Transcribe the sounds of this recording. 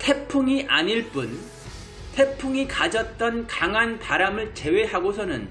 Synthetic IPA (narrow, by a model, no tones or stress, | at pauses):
tʰe̞pʰuŋiʔaɲiɭp͈un | tʰe̞pʰuŋikad͡ʑʌt̚t͈ʌnkaŋɦanpaɾamɯɭt͡ɕe̞we̞ɦaɡosʰʌnɯn